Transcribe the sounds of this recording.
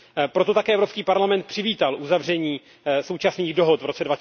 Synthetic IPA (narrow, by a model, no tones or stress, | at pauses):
pɾo̞t̪ot̪akɛːʔɛvɾopskiːpaɾlamɛnt̪̚pr̝̥ɪviːt̪alʔuzavr̝ɛɲiː | so̞wt͡ʃasniːɣdo̞ɦot̪vɾo̞t͡sɛdvac